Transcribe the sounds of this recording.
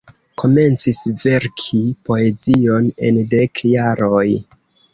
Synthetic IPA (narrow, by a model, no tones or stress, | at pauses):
kʰo̞me̞nt͡sisve̞ɾkʰipo̞e̞zio̞ne̞̰nde̞kjaɾo̞j